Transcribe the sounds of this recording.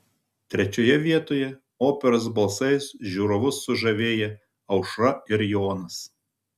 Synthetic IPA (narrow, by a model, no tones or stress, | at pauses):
t̪ʲɾʲɛt͡ʃʲoːjɛʋʲiɛt̪oːjɛ | oːpʲɛɾɐs̬bɐlˠsɐɪsʒʲuːɾoʋʊsːʊʒɐʋʲeːjɛ | ɐʊʃɾɐɪɾjoːnɐs